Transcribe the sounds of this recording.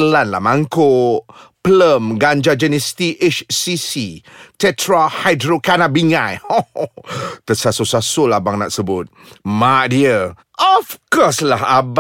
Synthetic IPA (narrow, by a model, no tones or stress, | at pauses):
əlanla̰hmaŋkopləmɡaɲd͡ʒad͡ʒənɛst̪iʔet͡ʃsisit̪ɛt̪ɾahajdɾokanabiŋajo | t̪əsasusasʊlabaŋna̰ʔsəbʊt̪̚maʔdiə | ɔfkɔslaɦab